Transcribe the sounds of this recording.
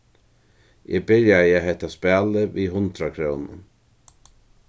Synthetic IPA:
ʔɛbɪɹjajɛɦɛht̪aspæːləviːɦʊnt̪ɾakʰɾownʊ̰n

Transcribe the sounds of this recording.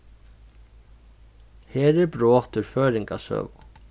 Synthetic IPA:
hɛːɾɛɾpɾɔːht̪ʏɾ̥fœːɾiŋkasœ̰ːɣ

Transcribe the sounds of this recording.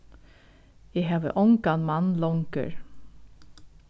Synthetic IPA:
jæɦɑːʋə̰ʔɔŋkanmɑnlɔŋkə̰ɹ

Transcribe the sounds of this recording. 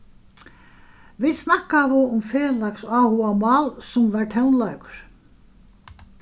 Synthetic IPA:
viðsnahkavɪʊmfɛːlaksaːhuamɑːlsʊmvaɹt̪ʰɛwnlajkʊ̥ɾ̥

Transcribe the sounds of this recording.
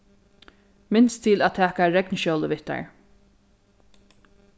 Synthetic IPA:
mɪnst̪ʰiːlæːt̪ʰæːkaɹɛknʃowləʋɪht̪a̰ɹ

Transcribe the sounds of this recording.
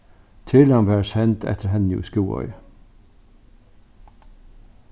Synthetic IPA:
t̪ʰɪlɑnʋæːɹsɛnt̪ʰɛ̰t̪ʰəɾɦɛnjʉ̰ːskuːɔ̰ʏ

